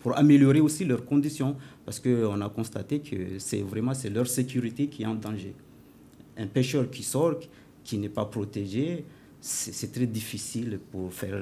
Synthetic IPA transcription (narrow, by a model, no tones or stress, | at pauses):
puʁa̰meljɔʁeosilœʁkɔ̃d̪isjɔ̃paʁsə̥kəɔ̃nakɔ̃st̪at̪ekʰə̰sɛ̰vʁɛmɑ̃sɛlœʁsekʲyʁit̪ekʰʲiɛɑ̃d̪ɑ̃ʒḛ | ɛ̃peʃœʁkʲʰisɔʁt̪ | kʰʲinɛpapχot̪eʒe | sɛsɛt̪χɛd̪ifisilpuʁfɛ̰ʁ